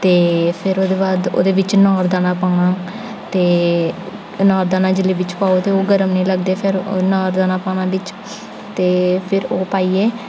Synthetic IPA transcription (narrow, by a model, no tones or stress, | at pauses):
t̪eːpʰɪɾoːd̪eːbaːd̪o̰ːd̪eːʋɪt͡ʃnɔːɾd̪aːnãːpaːɽaː | t̪eː | nɔːɾd̪aːnãːd͡ʒɪliːʋɪt͡ʃpaːoːt̪eːoːɡəɾəmnəĩːləɡ̚d̪eːpʰɪɾnaːɾd̪aːnãːpaːñãːʋɪt͡ʃ | t̪eːpʰɪɾoːpaːiːeː